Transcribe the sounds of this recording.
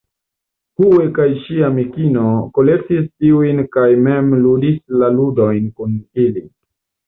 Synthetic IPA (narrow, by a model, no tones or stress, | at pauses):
huekajʃiamikino̞ko̞le̞k̚tistiujnkajmemludislaludo̞jnkunili